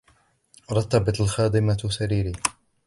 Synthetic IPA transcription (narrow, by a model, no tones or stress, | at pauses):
ɾˤɑt̪ːɑbɪt̪alxɑːd̪ˤɪmasaɾiːɾiː